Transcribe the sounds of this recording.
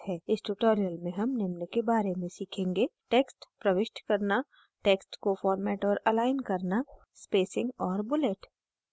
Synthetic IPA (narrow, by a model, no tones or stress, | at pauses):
ɦɛːɪsʈuʈoːɾijəlmẽɦɐmnɪmnəkebaːɾemẽsiːkʰẽːŋɡeʈeːksʈpɾɐʋɪʃʈkɐɾna | ʈeːksʈkofɔːɾmɛːʈɔːɾɐlaːɪnkɐɾna | speːsɪ̃ŋɡɔːɾbʊleʈ